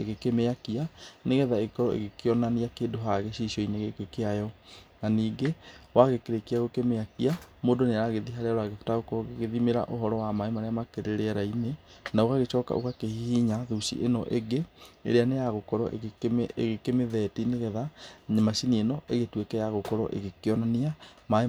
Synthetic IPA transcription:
eɣekemeakianeɣɛðaeɣekɔɾɔʔḛɣekeɔnaniakeːdoɦaɣeɕiʃiɔineɣekekeajɔnaniːɡewaɣekeɾekeaɣokemeakiamoːdoneaɾaɣeðiɦaɾeaɾaɣefu̥taɣokɔɣeðimeɾa̰ʔoɦɔɾɔwamaemaɾeamakeɾeɾeɛɾaine | naoɣaɣet͡ʃɔka̰ʔo̰kakehihiɲaðuʃḭʔenɔʔeɡeḛɾeanejaɣokɔɾɔ̰ʔeɣekemeðɛtineɣɛðaɲemasinienɔʔeɣetwekɛjaɣokɔɾɔ̰ʔḛɣekeɔnaniamae

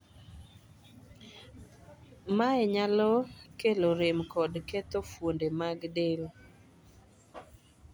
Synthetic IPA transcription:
maɛɲalɔkeloɾɪmkɔdkɛt̪ofwondemaɡdel

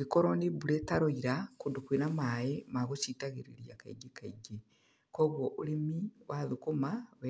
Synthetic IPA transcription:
ikoɾoniβuletaɾoiɾakundukwinamaemaɣot͡ʃitaɣiɾḭɾjaka̰iɡekaiɡe | koβwoʔulimiwʔaðukumawe

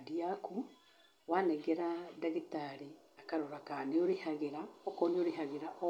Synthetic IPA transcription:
diaku | wanɛɣeɾadaɣitaɾi | akaɾoɾakaneoɾehaɣeɾaɔkɔneoɾeɦaɣeɾaʔɔ

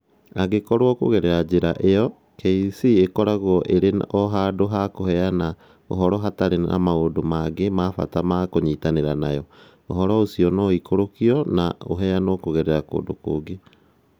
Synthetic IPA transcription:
aɣekɔɾwɔkoɣɛɾɛɾad͡ʑeɾaʔejɔ | kʰeisiekɔɾaɣwɔʔeɾenɔɦadoɦakohɛana | oɦɔɾɔɦataɾea̰maodomaɡemaːfa̰tamakoɲitaneɾanajɔ | oɦɔɾɔosiɔnoikoɾokiɔnao̰ɦɛanoːkoɣɛɾɛɾako̰ːdo̰ko̰ːɡe

